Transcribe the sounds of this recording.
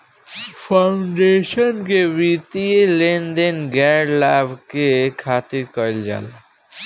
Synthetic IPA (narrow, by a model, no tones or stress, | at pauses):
pʰaʊɳɖeːʃənkeʋit̪ielend̪enɡɛːɖlaːbkekʰaːt̪ɪɾkəld͡ʒa̰ːla